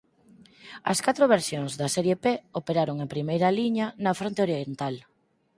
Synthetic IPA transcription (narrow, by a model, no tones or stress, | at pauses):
ɐ̰skat̪ɾoβ̞eɾsjoŋzðɐsɛɾjepeopeɾaɾoŋempɾimejɾɐliɲɐnɐfɾont̪eoɾjient̪al